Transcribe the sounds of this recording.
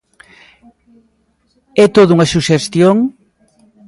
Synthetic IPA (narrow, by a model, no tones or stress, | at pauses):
ɛt̪oðʊuŋɐsuʃest̪joŋ